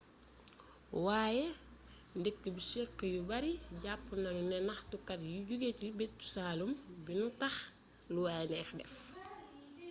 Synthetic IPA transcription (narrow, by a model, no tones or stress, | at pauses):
waːjɛ | ndekːəbiʃikːəjubɐɾiɟapːunɐŋunɛnɐxtukɐtjuɟuɡetibetːu̥saːlumbinutɐx | luwajɛnɛːxdɛ̰f